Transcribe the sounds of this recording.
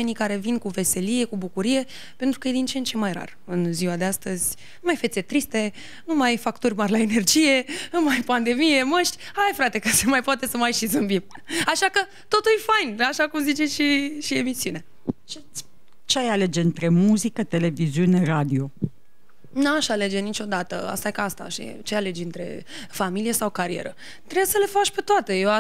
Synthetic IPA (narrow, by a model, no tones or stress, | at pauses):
enikaɾe̞vinkuve̞se̞lije̞kubukuɾije̞ | pent̪ɾukəje̞d̪int͡ʃent͡ʃe̞majra̰r | ɨnziwad̪east̪əzʲ | numajfe̞t̪se̞t̪ɾist̪e̞ | numajfakt̪urʲmarʲlae̞ne̞rd͡ʒije̞numajpand̪e̞mije̞məʃt̪ʲhajfɾat̪e̞kəsemajpoat̪e̞səmajʃizɨmbim | aʃakə | t̪o̞t̪ujfajnaʃakumzit͡ʃe̞ʃiʃie̞misiune | t͡ʃe | t͡ʃeajale̞d͡ʒeɨnt̪ɾe̞muzikət̪e̞le̞viziune̞ɾad̪io̞ | naʃale̞d͡ʒe̞nit͡ʃʲo̞d̪at̪ə̰a̰st̪ajkaast̪a̰ʃt͡ʃeale̞d͡ʒɨnt̪ɾe̞̰familije̞sawkaɾie̞̰ɾə | t̪ɾesəle̞fat͡ʃʲpe̞t̪oat̪e̞jea